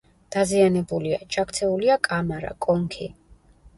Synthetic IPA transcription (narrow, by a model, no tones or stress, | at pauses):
d̪̥azianɛbulia̰d͡ʒʰakt̪sʰɛuliakʼamaɾa̰kʼɔŋkʰi